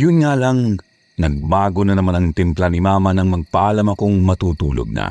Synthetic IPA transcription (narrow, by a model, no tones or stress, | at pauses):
jʊnŋaːlɐŋ | nɐɡ̚baːɡonɐnɐmanɐŋt̪ɪmplanɪmaːmɐnɐŋmɐɡ̚pɐʔaːlɐmɐkoŋmɐt̪uːt̪ṵːlo̰ɡ̚nɐ̰